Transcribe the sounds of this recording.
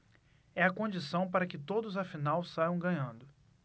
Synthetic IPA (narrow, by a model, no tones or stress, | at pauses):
ɛɐkõd͡ʒisɐ̃w̃paɾɐkɪt̪od̪ʊzɐfinawsajɐ̃w̃ɡɐ̃ɲɐ̃nd̪ʊ